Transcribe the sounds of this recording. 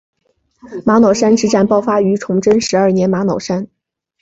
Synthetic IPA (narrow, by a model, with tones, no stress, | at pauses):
ma˧˥nɑ˨˩ʊʂa˥nʈ͡ʂɻ̩˧˥ʈ͡ʂa˨˩npɑ˥˧ʊfa˥y˧˥ʈ͡ʂʰʊ˧˥ŋʈ͡ʂə˥nʂɻ̩˧˥ə˞˥˩njɛ˧˥nma˧˥nɑ˨˩ʊʂa˥n